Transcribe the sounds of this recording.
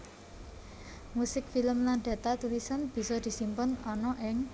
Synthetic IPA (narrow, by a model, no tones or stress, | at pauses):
musɪk̚filəmland̪̥ä̤t̪at̪ulisanb̥i̤sɔd̪̥i̤simpʊnɔnɔʔɪŋ